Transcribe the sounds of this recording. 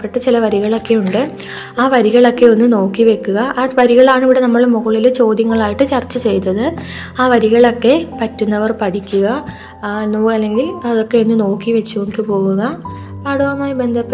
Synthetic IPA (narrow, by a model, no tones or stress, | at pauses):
pːeʈːɐt͡ɕilɐʋɐɾiɣɐɭo̞kːe̞uɳɖɨ | aːʋɐɾiɣɐɭo̞kːe̞o̞nːɨno̞ːkːiʋe̞kːuɣɐʔaːʋɐɾiɣɐɭaːɳiʋiɽe̞nɐmːɐɭmuɣɐɭilet͡ɕo̞ːd̪jɐŋːɐɭaːjiʈːɨt͡ɕɐrt͡ɕːɐt͡ɕe̞jt̪ːɐðɨ | aːʋɐɾiɣɐɭo̞kːe̞pɐtːunːɐʋɐrpɐʈʰikʲːuɣɐ | noːɐlːe̞ŋɡilɐðo̞kːe̞o̞nːɨno̞ːkːiʋɐt͡ɕːuko̞ɳɖɨpo̞ːɣuɣɐ | pɐɽuɣɐmaːjibe̞nd̪ʱɐpː